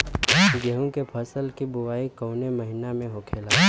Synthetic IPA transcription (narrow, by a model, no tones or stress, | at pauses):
ɡəɦũkepʰəsəlkibʊʋaːikɐʊnemɐɦɪnamẽɦokʰeːlaː